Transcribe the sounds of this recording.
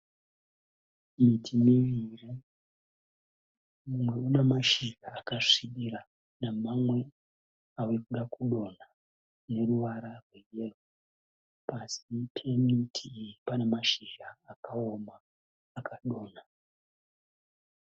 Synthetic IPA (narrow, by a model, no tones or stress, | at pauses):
mitʰimiʋiri | mumwe̞unemaʃiɡaːkaʂiɗiɾa | namamwe̞ | awekuɗakuɗo̞na | ne̞ruʋaɾarwe̞jero | pasipʰe̞mitʰiːjipanemaʃiʒaːkao̞maː | kaɗo̞ːna